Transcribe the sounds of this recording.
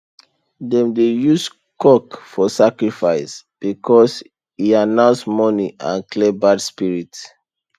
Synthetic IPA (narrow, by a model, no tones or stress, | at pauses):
dɛ̃mdejus | kɔkfɔsakɹifaɪsb̥ikʰɔs | hianãʊ̃nsmɔniʔã̰nklɛbadspiɹit